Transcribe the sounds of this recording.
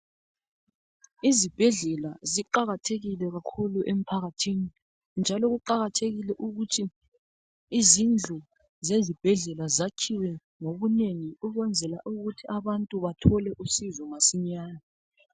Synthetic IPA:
izib̥ʱɛɮɛlaziǃaɣatʰeɣilɛɣakʰuluʔem̩pʰaɣatʰini | nd͡ʒʱalɔɣuǃaɣatʰeɣilɛʔuɣutʰiː | zind͡ɮʱɔ | zezib̥ʱɛɮɛlazakʰiwɛ | ŋoβuneŋiuɣɛnd͡zʱɛla̰ʔuɣutʰiaβantʼuβatʰɔlɛʔusizɔŋasiɲaːna

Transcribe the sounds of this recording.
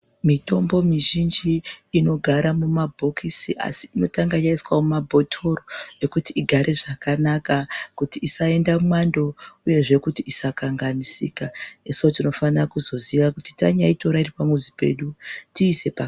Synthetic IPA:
mito̞mbo̞miʒind͡ʒiːno̞ɡʱaɾamumabʱo̞kʰisiʔa̰siːno̞taŋɡajaiswamumabʱo̞tʰo̞rojekutiːɡʱaɾʔe̞ʐakanakakutiisae̞ndamwando̞uje̞ʐe̞kutiisakaŋɡanisḭːkaesotino̞fanrakuzo̞ziʋakuti̥ta̰ɲaito̞ɾairipamuzipe̞̰ɗutiːsepa

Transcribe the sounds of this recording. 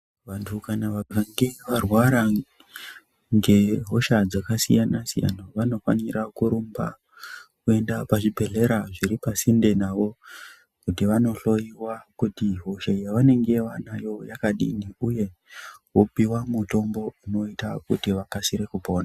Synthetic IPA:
ʋantʰukanaʋaaŋɡe̞ʋarwaɾa | ŋɡe̞ɦo̞ʃad͡zakasḭjanasija̰naʋano̞fa̰nirʔakuɾumba̰ | kue̞ndapaʐibʱe̞ɮe̞ɾaʐiɾipasinde̞naʋo̞ | kutiʋano̞ɬo̞jiwakutiɦo̞ʃajaʋane̞ŋɡe̞ʋanajojakaɗḭniuje̞ | wopiwamuto̞mbo̞uno̞itakutiʋapasiɾe̞kupo̞ːna

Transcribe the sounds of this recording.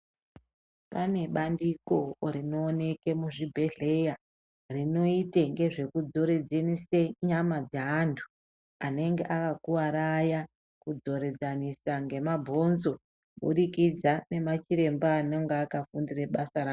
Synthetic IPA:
pane̞ɓandiko̞rino̞ːne̞ke̞muʐibʱe̞ɮeja | rino̞iteŋɡe̞ʐe̞kud͡zo̞ɾed͡zeniseɲamad͡zaɦantʰu̥ | ane̞ŋɡeʔakakuwaɾaja | kud͡zo̞ɾe̞d͡zanisaŋɡe̞mabʱo̞nzo̞ | ɓṵɗikid͡zane̞mat͡ʃiɾe̞mbaːneŋɡaːkafundireɓasaɾaːo

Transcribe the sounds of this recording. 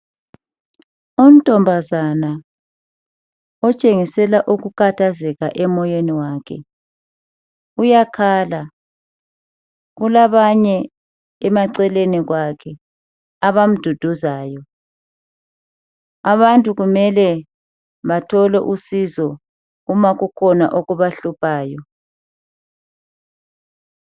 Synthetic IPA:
um̩tʼɔmbʱazana | ɔt͡ʃʼeŋisɛlaʔuɣukʰatʰazɛɣaʔɛmɔjeniwaːkʰɛ̰ | ujakʰala | ɣulaβaɲɛ | ɛmaǀɛleniɣwakʰɛ | aβam̩d̥ʱud̥ʱuzaːjɔ | aβantʼuɣumɛlɛ | βatʰɔlɛ̰ʔusizɔ | ɣumaɣukʰɔna̰ʔoɣuβaɬupʰaːjɔ

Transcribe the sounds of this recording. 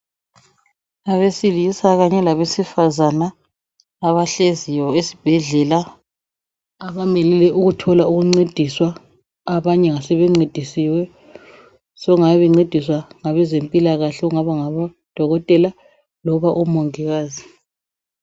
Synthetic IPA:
aβesilisaɣaɲɛlaβesifazanaː | βaɬezijɔesi̥b̥ʱɛɮɛla | aβamɛlɛlɛʔuɣutʰɔlauɣuŋ͡ǀed̥ʱiswaː | βaɲɛŋasɛβeŋ͡ǀed̥ʱisiwɛ | sɔŋajβɛŋ͡ǀed̥ʱiswaŋaβɛzempʼilaɣaɬɛuŋaβaŋaβa | d̥ʱɔɣɔtʼɛla | lɔβaʔɔmɔŋɛɣaːzi

